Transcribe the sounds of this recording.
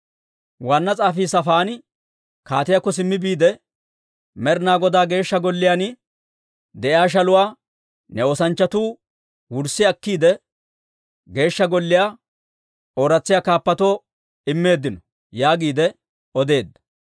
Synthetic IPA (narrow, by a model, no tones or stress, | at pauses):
waːnːɐt͡sʼaːfiːsɐfaːnɪ | kaːt̪ɪjakːɔs̬ɪmːɪbiːd̪ɛ | mɛɾnaːɡɔd̪aːɡe̞ːʃːɐɡɔlːɪjaːn | d̪ɛʔɪaːʃ̬ɐlʊwaː | nɛoːsɐnt͡ʃːɐt̪uː | wʊɾsːɪɐkːiːd̪ɛ | ɡe̞ːʃːɐɡɔlːɪjaː | oːɾɐt͡sːɪjaːkaːpːɐt̪oː | ɪmːe̞ːd̪ːɪnɔ | jaːɡiːd̪ɛ | ɔd̪e̞ːd̪ːɐ̥